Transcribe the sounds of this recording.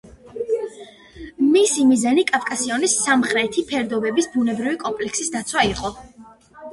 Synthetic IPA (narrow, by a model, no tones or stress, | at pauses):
misimizanikʼafkʼasiɔnisːamχɾɛt̪ʰipʰɛɾd̪ɔbɛbisbunɛbɾivikʼɔmpʼlɛksisd̪at̪sʰwaiqʼɔ